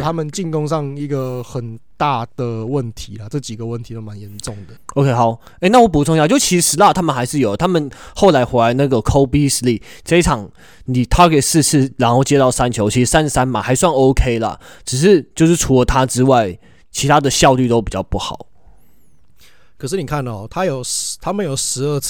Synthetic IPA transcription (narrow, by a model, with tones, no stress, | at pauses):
t̪ʰa˦˥mə˨nt͡ɕi˥˨nko˥ŋʂɑ˥˩ŋi˧˦ɡə˨xə˨˩nt̪a˥˨d̪̥ə˩wə˥˨nt̪ʰi˨˦la˨ʈ͡ʂɤ˥˩t͡ɕi˨˩ɡə˩˦wə˥˩nt̪ʰi˨˦t̪o˥ma˨˦njɛ˨˧˦nʈ͡ʂo˥˨˩ŋd̪ə˩o˧˥ʊkʰe˥ɪxɑ˨˩˦ | e˥˧˦na˥˩wɔ˨˥˩p̬u˨˥ʈ͡ʂŋjɑ˨t͡ɕo˥˩ʊt͡ɕʰi˧˥˧ʂɻ̩˧˥la˥˩t̪ʰa˥mə˨xa˧˥ɪʂɻ̩˥˩jo˨˩ə˦t̪ʰa˥mə˨nxo˥˩ʊla˧˦ɪxwe˧˥la˧˦ɪna˥˩ɡə˨˩kʰo˥ʊpi˥s̩˧li˥˩ʈ͡ʂe˥i˥˦ʈ͡ʂʰɑ˨˩˦ŋ | ni˨˩t̪ʰa˥ke˨˩sɹ̩˥˧s̩ʰ˥˩ɻa˧˥nxo˥˩ʊt͡ɕjɛ˥t̪ɑ˥˩ʊsa˦nt͡ɕʰjo˧˥ʊt͡ɕʰi˧˥ʂ̩˧sa˦n˧sa˦nma˨˦xa˧˥ɪswa˥˩no˥ʊkʰe˥ɪlə̰˨ʈ͡ʂɻ̩˨˩ʂ̬ɻ̩˥˧t͡ɕjo˥˧ʊʂɻ̩˥˩ʈ͡ʂʰu˧˥lə˨˦t̪ʰa˥ʈ͡ʂɻ̩˥wa˥˩ɪ | t͡ɕʰi˧˥t̪ʰa˥d̪ə˨ɕjɑ˥˧ʊly˥˩t̪o˥ʊp̬i˨˩t͡ɕɑ˥˧ʊpu˥˩xɑ̰˨˩˦ʊ | kʰə˨˩ʂ̬̩˥˩ni˨˩kʰa˥˩n˨˩˨t̪ʰa˦jo˨˩ʊt̪ʰa˦˥mə˨njo˨˩ʊʂɻ̩˧˥ə˥˧˥